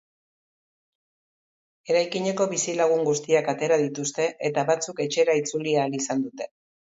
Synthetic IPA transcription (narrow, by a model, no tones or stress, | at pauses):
e̞ɾajkiɲe̞ko̞βisilaɣ̞uŋɡust̪iakat̪e̞ɾaðit̪ust̪e̞ʔet̪aβat͡suke̞t͡ʃe̞ɾait͡suliaːlisand̪ut̪e̞̥